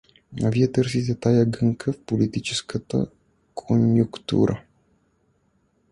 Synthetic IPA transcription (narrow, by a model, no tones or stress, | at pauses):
a̰viat̪ərsizet̪ajaɡɨŋkʰəfpolit̪it͡ʃeskət̪ə̰ | kʰonjukt̪ṵɾʔə̰